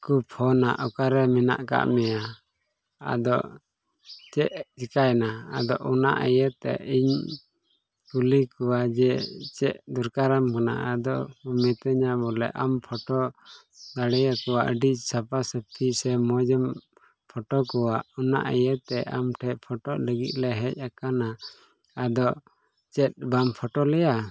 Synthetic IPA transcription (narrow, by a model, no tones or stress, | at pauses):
kupʰɔnaʔɔkaɾɛmina̰ʔka̰ʔmɛja | a̰d̪ɔʔ | t͡ʃɛʔd͡ʒikajnaa̰d̪ɔʔuna̰ʔəjət̪ɛ̰iɲ | kulikɔwad͡ʒɛt͡ʃɛʔd̪uɾkaɾamkana̰ad̪ɔʔmɛt̪əɲabɔlɛ̰ʔampʰɔʈɔ | d̪aɽɛjakɔwaʔəɖisapasəp̚t̪ʰisɛmɔd͡ʒəm | pʰɔʈɔkɔwaʔɔna̰ʔəjət̪ɛʔamʈʰɛʔ̚pʰɔʈɔʔləɡḭt̪̚ˀlɛɦɛc̚akanaː | d̪ɔʔ | t͡ʃɛt̪̚bampʰɔʈɔlɛja